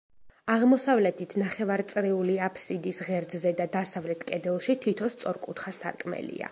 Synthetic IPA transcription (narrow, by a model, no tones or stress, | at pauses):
aʁmɔsavlɛt̪ʰit̪ʰnaχɛvaɾt̪sʼɾiuliapʰsid̪isʁɛɾd̪zɛd̪ad̪asavlɛt̪ʰkʼɛd̪ɛlˠʃit̪ʰwit̪ʰɔst̪sʼɔɾkʼut̪ʰχasa̰ɾkʼmɛ̰lḭa̰